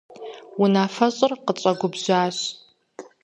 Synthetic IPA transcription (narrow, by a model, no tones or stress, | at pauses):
wʊnaːfɐɕʼɨrqət͡ɕʷʼɐɡʷʊbʑʷaːɕ